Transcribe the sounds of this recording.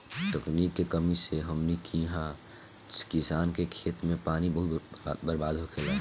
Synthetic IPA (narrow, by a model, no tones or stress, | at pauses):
t̪əkniːkːekəmiseɦəmnikʰĩːɦã | kɪsaːnkekʰeːt̪mẽpaːnibəɦʊt̪ːbəɾbaːd̪ʱɦokʰeːlaː